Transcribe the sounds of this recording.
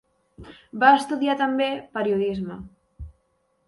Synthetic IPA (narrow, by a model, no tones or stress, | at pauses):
baəst̪uðiat̪ambepəɾiuðizmə